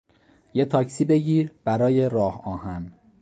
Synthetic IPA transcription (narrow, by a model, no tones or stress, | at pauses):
je̞t̪ʰɒːcʰsiːbe̞ɟiːɾb̥æɾɒːje̞ɾɒːhɒːhæn